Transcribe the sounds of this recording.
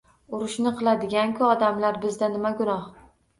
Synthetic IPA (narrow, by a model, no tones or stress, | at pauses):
ʊɾɪʃnɪqʰɨlˠad̪ɪɡʲaŋkʲʰʊɒd̪amlaɾbɪzd̪anɪmaɡʊnɒh